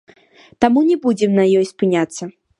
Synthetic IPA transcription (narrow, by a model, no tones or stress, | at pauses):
t̪amunʲɛbud͡zʲɛmnɐjɔjspɨnʲat̪sːɐ